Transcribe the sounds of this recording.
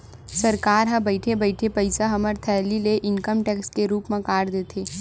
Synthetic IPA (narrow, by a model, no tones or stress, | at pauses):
sɐɾkaːɾɦɐ̃bɐɪʈʰebɐɪʈʰepɐɪsaɦɐməɾt̪ʰɛːlileʔɪnkəmʈɛːkskeɾuːpmẽkaːɾd̪eːt̪ʰeː